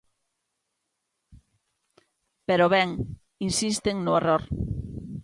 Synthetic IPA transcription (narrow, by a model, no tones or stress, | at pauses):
peɾoβɛŋ | insist̪eŋnʊeroɾ